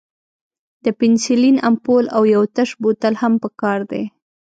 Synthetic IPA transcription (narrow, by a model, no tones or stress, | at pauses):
d̪̥əpɪnsilinampolawjawt̪aʃbot̪əlhampəkɑɾd̪e